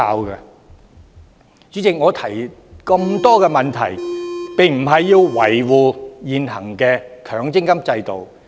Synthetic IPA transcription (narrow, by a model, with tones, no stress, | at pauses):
aː˧wkɐ˧ | t͡ʃy˨˥t͡sɪ˨k̚ŋɔː˨˧t̪ʰɐ˨˩j | kɐ˧mt̪ɔː˥kɛː˧mɐ˨nt̪ʰɐ̰˨˩jpɪ˨˩ŋm̩˨˩ɦɐ˨jːiː˧wwɐ˨˩jwuː˨˧jiː˨nɦɐ˨˩ŋkɛː˧kʰœː˨˥ŋt͡sɪ˥ŋkɐ˥mt͡sɐ˧jt̪o̰˨˩w